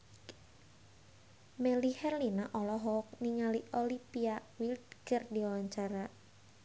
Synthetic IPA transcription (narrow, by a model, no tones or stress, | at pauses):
melihɛrlinaʔɔlɔɦɔk̚niŋaliʔolipiawild̪ɡərdiwaɲt͡ʃaɾa